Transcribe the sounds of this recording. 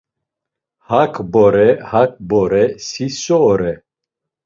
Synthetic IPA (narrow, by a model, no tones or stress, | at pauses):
hakʰbɔɾɛhak̚ʰbɔɾɛsisɔɾɛ